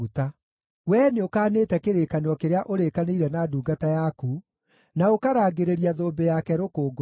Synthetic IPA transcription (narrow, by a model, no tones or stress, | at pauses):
uta | wɛneokaːnetɛkeɾekaneɔkeɾeaʔoɾekaneiɾɛnaːduːɡatajaku | naokaɾaːɡeɾeɾiaðoːmbejakɛɾokoːɡ